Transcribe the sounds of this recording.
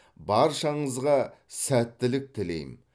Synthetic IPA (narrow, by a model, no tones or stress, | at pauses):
bɑɾʃɑɴəzʁɑsæt̪ːɪlɪk̚t̪ʰɪle̞̰jɪ̰m